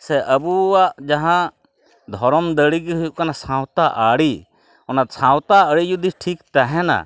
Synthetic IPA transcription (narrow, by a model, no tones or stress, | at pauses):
sɛʔəbuwaʔd͡ʒaɦã | d̪ʱɔɾɔmd̪əɽiɡiɦujuʔkanasãwt̪aʔaɽi | ɔnat̪̚sãwt̪aəɽijud̪isʈʰikt̪aɦɛna̰